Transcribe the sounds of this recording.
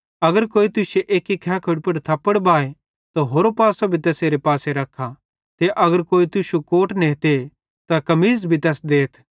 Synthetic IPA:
ɐɡəɾkoːit̪ʊseʔeːkikʰɛːkʰoɽpɐɽt̪ʰɐpːəɽbaːe | t̪oɦoːɾopaːsobʱit̪ɛːseːɾepaːseɾɐkʰːa | t̪eʔɐɡəɾkoːit̪ʊʃukoːʈnẽːɦt̪e | t̪akɐmiːzbʱit̪ɛːsd̪eːt̪ʰ

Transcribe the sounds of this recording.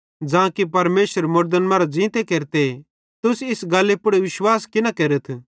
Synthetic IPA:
d͡ʒãːkipɐɾmeːsəɾmʊɾd̪ənmãːɾod͡ʒĩːt̪ekeːɾt̪e | t̪ʊsɪsɡɐlːepʊɽeʋɪʃwaːskɪnakeːɾət̪ʰ

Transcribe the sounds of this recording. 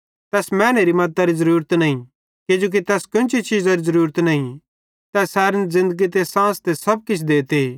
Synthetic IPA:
t̪ɛːsmɛːneɾimɐt̪ːaɾizɐɾuːɾət̪nɐɦĩ | kɪd͡ʒoːk̬it̪ɛːskʊnt͡ʃʰit͡ʃiːzaɾizɐɾuːɾət̪nɐɦĩ | t̪ɛːsɛːɾənzɪ̃nd̪əɡit̪̬esãːst̪esɐb̚kɪt͡ʃʰd̪eːt̪e

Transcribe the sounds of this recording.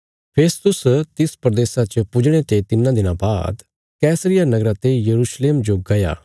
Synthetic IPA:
pʰeːst̪ʊst̪ɪspɾəd̪eːsat͡ʃpʊd͡ʒɽ̃et̪et̪ɪnãd̪ɪnãbaːd̪ | kɛːsəɾɪjanɐɡɾat̪ejɐɾuːʃleːmd͡ʒoɡɐja̰ː

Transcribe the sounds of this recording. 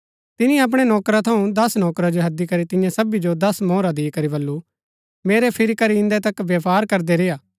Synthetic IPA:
t̪ɪniɐp̬ɽ̃enɔːkɾat̪ʰɐũd̪ɐsnɔːkɾad͡ʒoɦɐd̪ikɐɾit̪ɪ̃jãsɐbid͡ʒod̪ɐsmɔːɾad̪iːkɐɾibɐlːu | meːɾepʰɪɾikɐɾiɪ̃nd̪et̪ɐkʋjɐpaːɾkɐɾd̪eɾeːjaː

